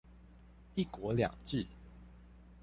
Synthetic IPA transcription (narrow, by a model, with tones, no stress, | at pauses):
i˥˨kwɔ˨˦lja̰˨˩ŋʈ͡ʂɻ̩˥˨